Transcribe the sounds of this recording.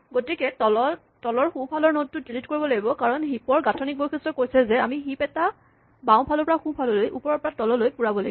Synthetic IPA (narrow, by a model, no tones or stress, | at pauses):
ɡotikɛtɔlɔ | tɔlɔɹxũpʰalɔɹnot̚ːʊilitkoɹibɔlaɡibɔkaɹɔnɦipɔɹɡatʰɔnik̚bojkʰɛstɹɔkojsɛzɛamiɦipɛta | bãʊ̃pʰalɔɹpɔɹaxũpʰalɔlojʔṵpɔɹɔɹpɔɹatɔlɔlojpuɹabɔlaɡibɔ